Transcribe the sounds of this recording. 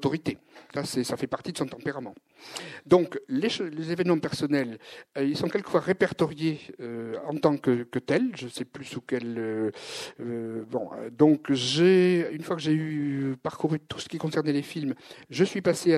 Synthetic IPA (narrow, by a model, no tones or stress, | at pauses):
t̪ɔʁit̪esasɛsafɛpaʁt̪id̪əsɔ̃t̪ɑ̃peʁamɑ̃ | d̪ɔ̃kleʃolezevɛnmɑ̃pɛʁsɔnɛløilsɔ̃kʲɛlkə̥fwaʁepɛʁt̪ɔʁjeøɑ̃t̪ɑ̃kəkət̪ɛlʒəsɛplysukɛlø | bɔ̰̃d̪ɔ̃kʒeynfwakəʒeypaʁkuʁyt̪u̥sə̥kʲikɔ̃sɛʁnɛlefilmʒəsɥipasea